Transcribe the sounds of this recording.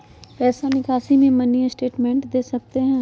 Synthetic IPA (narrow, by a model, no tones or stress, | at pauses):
pɛːsanɪkaːsimẽmɐnijẽsʈeːʈmɛ̃ːɳʈd̪eːsɐk̚t̪eɦɛ̃ː